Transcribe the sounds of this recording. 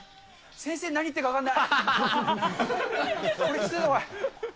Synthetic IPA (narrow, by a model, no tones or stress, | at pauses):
sẽ̞ɰ̃se̞ːnaɲ̟it̪ːekakãnːaj | oɾekʲii̥t̪ːenoka